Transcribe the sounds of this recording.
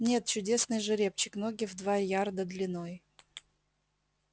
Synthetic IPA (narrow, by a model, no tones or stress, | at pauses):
nʲe̞t̪̚t͡ɕʊdʲe̞snɨjʐɨɾʲe̞p̚t͡ɕɪ̥knoɡʲɪvd̪vaɾʲjard̪əd̪lʲɪnoj